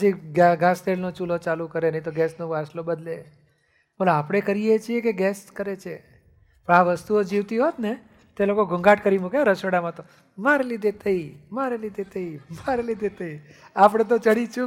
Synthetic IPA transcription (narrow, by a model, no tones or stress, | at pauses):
əd͡ʒiɡaɡʱãst̪elnot͡ʃulot͡ʃalukəɾenəĩt̪oɡɛsnoʋaslobəd̪le | bolapɽ̃ekəɾijet͡ʃʰiekeɡɛskəɾet͡ʃʰe | pəɳaʋəst̪uod͡ʒiʋt̪iɦot̪ne | t̪elokoɡʱũŋɡaʈkəɾimukaɾəsoɽamãt̪o | maɾelid̪ʱet̪ʰəimaɾelid̪ʱet̪ʰəimaɾelid̪ʱet̪ʰəiapɽ̃et̪̬ot͡ʃəɽit͡ʃʰũ